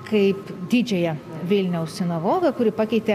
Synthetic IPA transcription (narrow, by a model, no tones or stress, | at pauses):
kɐɪpd̪ʲɪd͡ʒʲɛjɛ | ʋʲɪlʲnʲɛʊssʲɪnɐʋoːɡɐkʊɾʲɪpɑkʲɛɪt̪ʲe